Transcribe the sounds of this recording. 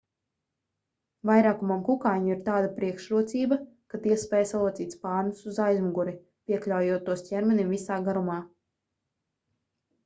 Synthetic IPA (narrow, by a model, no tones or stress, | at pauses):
vajɾaːkumamkukajɲuiɾt̪aːd̪apɾiɛkʃɾuɔt̪siːba | kat̪iɛspɛːjsalˠɔt̪sʲiːt̪spaːɾnusuzajzmuɡuɾi | pʲiɛklʲawjuɔt̪uɔscʲɛɾmʲɛnimvisaːɡaɾumaː